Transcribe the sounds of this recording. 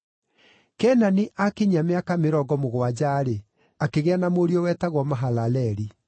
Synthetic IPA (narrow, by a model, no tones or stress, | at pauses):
kɛnaniʔakiɲameakameɾɔɡɔmoɣwad͡ʑaːɾe | akeɣeanamoɾiɔwɛːtaɣwɔmaɦalalɛɾi